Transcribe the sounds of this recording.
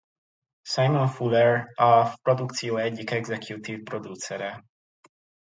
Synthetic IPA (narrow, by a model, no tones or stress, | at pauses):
sajmɔnfulɛɾafpɾod̪ukt͡siɔɛɟikɛɡzɛkjut̪ifpɾod̪ut͡sɛɾɛ